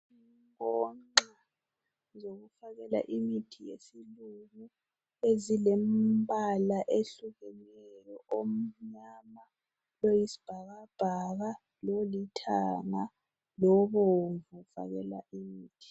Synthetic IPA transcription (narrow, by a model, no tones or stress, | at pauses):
iŋkʼɔa | zoɣufaɣɛla̰ʔimitʰijḛsiluŋu | ezilembʱalaʔeɬuɣɛnɛjɔʔom̩ɲama | lojisi̥b̥ʱaɣab̥ʱaɣa | lolitʰa̰ŋa | lɔβɔɱvufa̰ɣɛ̰la̰imiːtʰi̥